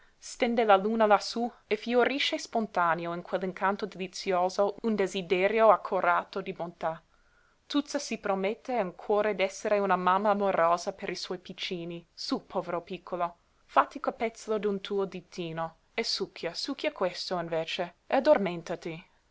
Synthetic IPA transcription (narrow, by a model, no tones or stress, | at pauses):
st̪end̪elaluːnalasuefioɾiʃespont̪aneoinkʰwelːiŋkʰant̪od̪elit̪sjoːzound̪ezid̪eɾjoakʰːoɾʔaːt̪od̪ibont̪a | t̪ut̪sasipɾomet̪ːeaŋkʰwɔːɾed̪ɛsːeɾeunamamːaːmoɾoːzapeɾiswɔjpit͡ʃːiːnisupʰɔːveɾopikʰːolo | fat̪ːikopɛt̪slod̪unt̪ʰuːod̪it̪ːiːno | esukʰːjasukːjakwest̪oinveːt͡ʃead̪ormẽnt̪at̪i